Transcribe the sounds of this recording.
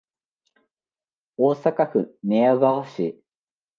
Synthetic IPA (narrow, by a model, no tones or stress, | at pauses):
oːsakaɸɯ̟neaβaoɕi